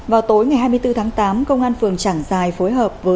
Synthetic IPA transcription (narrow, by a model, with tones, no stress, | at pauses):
vaː˨˩wt̪o˨˦jŋa˨˩jɦaː˧jmɨ˧əjt̪ɨ˧t̪ʰaː˨˦ŋt̪aː˨˦mkə˧wŋ͡mʔaː˧nfɨ˨˩əŋt͡ɕaː˧˩ŋzaː˨˩jfo˨˦jɦəː˨˩p̚vəː˨˦